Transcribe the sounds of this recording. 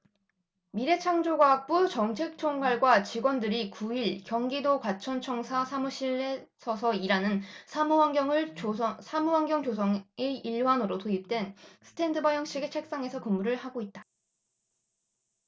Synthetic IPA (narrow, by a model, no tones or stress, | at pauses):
miɾe̞t͡ɕʰaŋd͡ʑoɡwaak̚p͈ut͡ɕʌŋt͡ɕʰe̞k̚t͡ɕʰoŋɡaɭɡwat͡ɕiɡwʌndɯɾikuiɭkjʌŋɡidokwat͡ɕʰʌnt͡ɕʰʌŋsʰasʰamuɕʰiɭːe | sʰʌsʰʌiɾanɯnsʰamuwaŋɡjʌŋɯɭʌsʰamuwaŋɡʲjʌŋd͡ʑosʰʌŋeiɭwanɯɾotoip̚t͈we̞nsʰɯ̥tʰe̞ndɯbajʌŋɕ͈ʰiɡe̞t͡ɕʰe̞k̚s͈aŋe̞sʰʌkɯmːuɾɯɭhaɡoit̚t͈ḁ